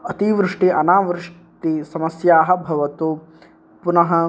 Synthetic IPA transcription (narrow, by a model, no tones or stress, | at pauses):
ɐt̪iʋɾɪʂʈiʔɐnaːʋɾɪʂʈisɐmɐsjaːɦɐ̆bʱɐʋɐt̪u | punɐɦɐ